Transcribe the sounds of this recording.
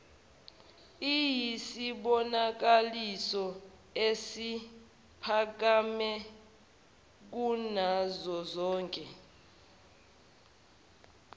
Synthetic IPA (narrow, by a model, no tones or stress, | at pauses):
ijisiɓɔnak̬alisɔ | esi | pʰak̬amɛ | k̬unazɔzɔːŋkʼɛ